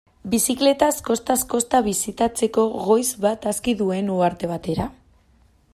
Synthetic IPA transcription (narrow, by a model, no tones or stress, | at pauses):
bisikle̞t̪asko̞st̪asko̞st̪aβ̞isit̪at͡se̞ko̞ɣo̞jzβat̪askiðue̞nuaɾt̪e̞β̞at̪e̞ɾa